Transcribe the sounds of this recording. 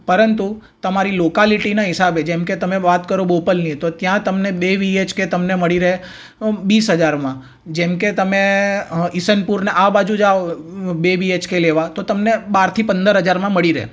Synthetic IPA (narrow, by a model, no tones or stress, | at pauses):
pəɾənt̪ut̪əmaɾilokaliʈinaɦɪsabed͡ʒemket̪əmeʋat̪kəɾobopəlnit̪ot̪jãt̪əmnebeʋiet͡ʃket̪əmneməɭiɾəɦe | ʋisɦəd͡ʒaɾmã | d͡ʒemket̪əme | isənpuɾneʔaʋbad͡ʒũd͡ʒaobeʋiet͡ʃkeleʋat̪ot̪əmnebaɾt̪ʰipənd̪əɾɦəd͡ʒaɾmãməɭiɾeḛ